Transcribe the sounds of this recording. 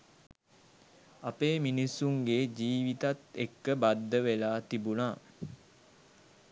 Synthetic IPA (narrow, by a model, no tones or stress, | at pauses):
apeːminisːuŋɡed͡ʒiːʋit̪at̪ekːəbad̪ːəʋelaːt̪ibunaː